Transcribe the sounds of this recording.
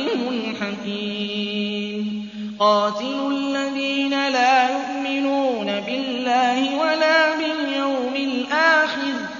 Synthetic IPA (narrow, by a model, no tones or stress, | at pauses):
lmʊnħaqiː | mn | qɑːt̪ɪlʊlːaðiːnalaːjʊʔmɪnuːnabɪlːaːhɪwalaːbɪljawmɪlʔaːxɪɾ